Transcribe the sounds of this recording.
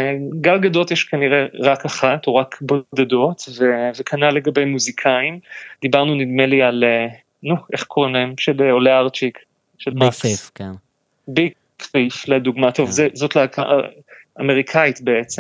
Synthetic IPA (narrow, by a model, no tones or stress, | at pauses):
ɡalɡado̞t̪jeʃkaniʁe̞ʁakaχatuʁakbod̪ado̞t̪vevekʰanale̞ɡabe̞jmuzikʰaimd̪ibaʁnunid̪meliale | nue̞χkʰo̞ʁimlahemʃeleoleaʁt͡ʃik | ʃelmakn | bik | fifled̪uɡmato̞vzezo̞tleakʰaʔa̰ | ameʁikʰait̪be̞et͡sem